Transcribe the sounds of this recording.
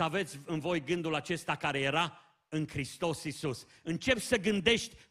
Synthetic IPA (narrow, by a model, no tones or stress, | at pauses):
əave̞t̪sʲɨnvo̞jɡɨnd̪ulat͡ʃe̞st̪akaɾe̞je̞ɾa | ɨŋkɾist̪o̞sisus | ɨnt͡ʃe̞p̪ʲsəɡɨnd̪e̞ʃt̪ʲ